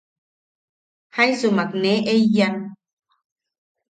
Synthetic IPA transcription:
hajsumak̚neʔejjan

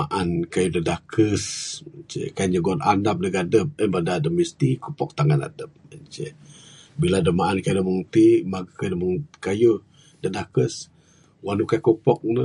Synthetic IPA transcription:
aʔankajudədakʰəsət͡ʃə̰kaɲəɡɔnandap̚nəɡadəp̚ənbadadəm̚ist̪ikopɔk̚t̪aŋana̰dəp̚ət͡ʃə | biladəmaʔankajdəmuŋt̪imaɡakadəmuŋkaju | dədakəs | wanukakopɔk̚nə

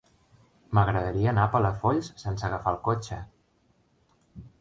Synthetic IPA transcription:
məɣɾəðəɾiəːnapələfoʎssensəɣəfalˠkot͡ʃə

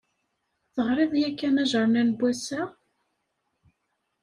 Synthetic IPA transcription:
θəʁɾˤɪðˤjækːænæʒəɾˤnænbʷːæsæ

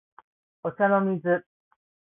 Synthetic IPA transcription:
ot͡ɕanomʲizɨ

